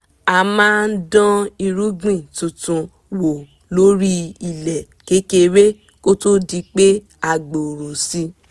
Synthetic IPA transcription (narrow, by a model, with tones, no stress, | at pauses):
a˧˨mãː˦n̩˦dɔ̃˦i˧ɾu˦ɡĩ˦˨tũ˨tũ˧ | wo˨ | lo˦ɾi˦i˨lɛ˨ | ke˨˦ke˧ɾe˦ | ko˦to˦di˧k͡pe˦ | a˧˨ɡ͡bo˨ɾo˨si˧˦